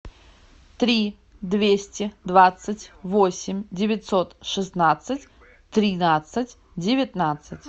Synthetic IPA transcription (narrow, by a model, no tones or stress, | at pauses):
t̪ɾʲi | d̪vʲesʲtʲɪd̪vat̪sɨtʲvosʲɪmʲdʲɪvʲɪt̪sot̪ʂɨsnat̪sɨtʲ | t̪ɾʲɪnat̪sɨtʲ | dʲɪvʲɪt̪nat̪sɨtʲ